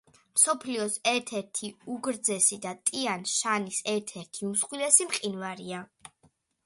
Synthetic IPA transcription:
msɔpʰliɔsɛɾt̪ʰɛɾt̪ʰiuɡɾd̪zɛsid̪at̪ʼianʃanisɛɾt̪ʰɛɾt̪ʰiumsχwilɛsimqʼinvaɾia

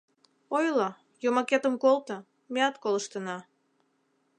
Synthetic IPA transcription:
ojlɑ | jomɑket̪əmkolt̪ə̆ | meɑt̪koləʃt̪ənɑ

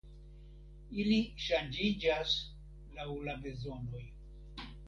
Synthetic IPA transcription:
iliʃand͡ʒid͡ʒas | lawlabe̞zo̞no̞j

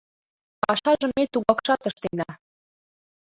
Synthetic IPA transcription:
ɑʃɑʒə̆mːet̪uɣɑkʃɑt̪əʃt̪enɑ

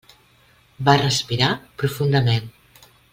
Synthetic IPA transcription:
barəspiɾapɾufund̪əmen

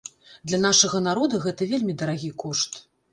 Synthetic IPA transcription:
d̪lʲɐn̪aʂɐɣɐnaɾɔd̪ɐɣɛt̪ɐvʲelʲmʲid̪ɐɾaɣʲikɔʂt̪

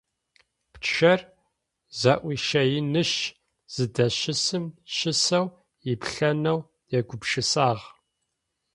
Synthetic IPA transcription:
pt͡ʃʰɐr | zɐʔʷiʃɐjɪnɨʃ | z̥ɨdɐʃɪsɨmʃɪsɐw | jɪpɬɐnɐw | jɛɡʷʊbʂɨsaːʁ

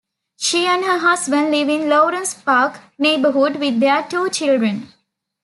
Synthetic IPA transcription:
ʃiːæ̃nɖɦəːɦasbə̃nɖliʋĩnloːɾə̃nspaːkneːbəɦuɖʋid̪ːeəʈuːt͡ʃilɖɾə̃n

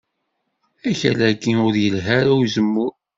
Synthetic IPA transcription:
æçæ̰lækːiʊɾjəlɦæɾawzəmːʊɾ

